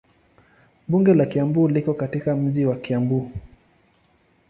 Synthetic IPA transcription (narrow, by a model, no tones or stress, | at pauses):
ɓuŋɡɛlakiambuːlikɔkatikam̩ʄiwakiambuː